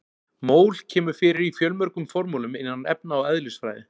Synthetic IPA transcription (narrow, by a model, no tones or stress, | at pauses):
moːwlcʰɛːmʏɾ̥fɪːɾɪɾifjœlmœɾkʏmfɔɾmulʏmɪnːanɛp̚naɔɣɛðlʏsfɾa̰ːjðɪ